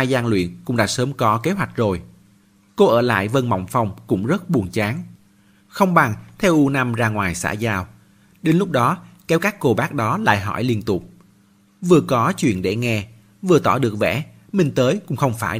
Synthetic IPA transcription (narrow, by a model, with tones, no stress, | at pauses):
aː˧jzaː˧ŋlwḭ˧˨ənkʊ˧˥ŋ͡mɗa̰ː˧˥səː˨˦mkɔ˨˦ke˨˦ɦwa˨˩jk̟̚zo˨˩j | ko˧ʔəː˧˩la̰ː˧˨jvə˧˩nma̰˧˨wŋ͡mfa˧wŋ͡mkʊ̰˧˥ŋ͡mzə˦˥t̚ɓu˨˩ənt͡ɕaː˨˦ŋ | xə˧wŋ͡mɓa˨˩ŋt̪ʰɛ˧wʔu˧na˧mzaː˧ŋwaː˨˩jsa̰ː˧˥zaː˧w | ɗe˨˦nlʊ˦˥k͡p̚ɗɔ˨˦kɛ˨˦wkaː˦˥kːo˧˩ɓaː˦˥k̚ɗɔ˨˦la̰ː˧˨jɦɔ̰˧˩jli˧ənt̪ʊ˨˩k͡p̚ | vɨ˨˩əkɔ˨˦t͡ɕwḭ˧˨ənɗe˧˩ŋɛ˧ | vɨ˨˩ət̪ɔ˧˩ɗɨ˨˩ək̚vɛ̰˧˥ | mï˧˩ŋ̟t̪əː˨˦jkʊ̰˧˥ŋ͡mxə˧wŋ͡mfaː˧˩